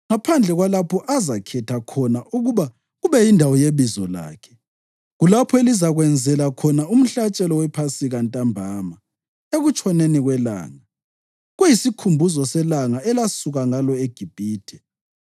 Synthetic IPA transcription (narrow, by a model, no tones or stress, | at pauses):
ŋapʰand͡ɮʱɛɣwalapʰɔʔazakʰɛtʰakʰɔnaʔuɣuβa | ɣuβɛjindʱawɔjeβizɔla̰ːkʰɛ̥ | ɣulapʰɔelizaɣwɛnd͡zʱɛlakʰɔnaum̩ɬat͡ʃʼɛlɔwɛpʰasiɣantʼambʱaːma | eɣut͡ʃʰʼɔneniɣwɛla̰ːŋa | ɣwejisikʰumbʱuzɔsɛlaŋaɛlasuɣaŋalɔeɡ̥ʱib̥ʱiːd̥ʰʱɛ